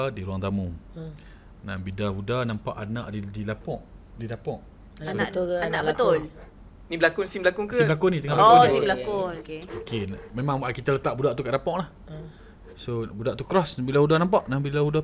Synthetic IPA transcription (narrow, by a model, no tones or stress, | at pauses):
diɾuaŋt̪amu | nabidaɦudanampa̰ʔanaʔdidilapɔʔ | didapɔʔ | sanaʔanaʔbət̪ʊl | nibəlakʊnsimblakʊŋkəsiblakʊnit̪əŋaɔasimbəlakʊnokeokenmemãŋwaʔkit̪alət̪aʔbudaʔt̪ukaʔdapɔʔlah | sobudaʔt̪ukɾɔsbilaudanampaʔnabilahuda